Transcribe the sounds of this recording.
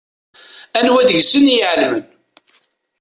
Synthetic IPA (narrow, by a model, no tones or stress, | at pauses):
ænwæðəʝsənjəʕlmən